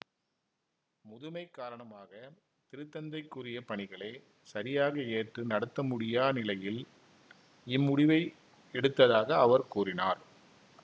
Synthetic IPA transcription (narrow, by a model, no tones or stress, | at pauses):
mʊðʊmɐɪkːaːɾɐɳɐmaːɣɐ | t̪ɪɾɯt̪ːɐnd̪ɐɪkːʊrɪjɐpɐɳɪɣɐɭeː | sɐɾɪjaːɣɐeːʈrɯnɐɽɐt̪ːɐmʊɽɪjaːnɪlɐjɪl | ɪmːʊɽɪʋɐɪ | ɛɽɯt̪ːɐðaːɣɐːʋɐɾkuːrɪnaːɾ